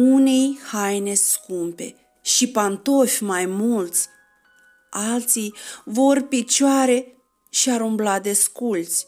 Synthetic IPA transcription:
unejhajneskumpe̞̰ | ʃipant̪o̞fʲmajmult̪sʲ | alt̪sijvorpit͡ʃoaɾe̞ | ʃiaɾumblad̪e̞skult̪sʲ

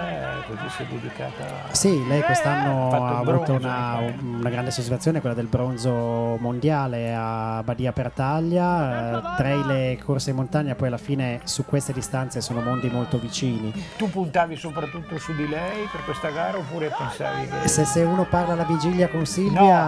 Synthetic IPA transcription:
ɛkozisɛ̰d̪ed̪ika̰ːt̪a̰ | silɛjkwest̪anːoaːvuːt̪ounaunaɡɾand̪esot͡ʃisfat̪ːjoːnekwelːad̪elbɾonzomond̪jaːleabːad̪iːapert̪aʎːat̪ɾajlekʰorsemont̪aɲːapɔjalːafiːnesukwest̪ed̪ist̪ant̪sesoːnomond̪imolt̪ovit͡ʃiːnit̪upunt̪aːvisopɾat̪ːut̪ːosud̪ilɛjperkwest̪aɡaːɾaopːuːɾepensa̰ːvikeseseuːnoparlaːlːavid͡ʒiljakonsilvja

